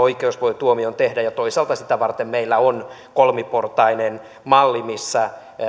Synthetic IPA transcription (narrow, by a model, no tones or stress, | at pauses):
oikeusʋoit̪uomiont̪ehdæjɑt̪oisɑlt̪ɑsit̪æʋɑrt̪emmeilːæon | kolmiport̪ɑinen | mɑlːimisːæ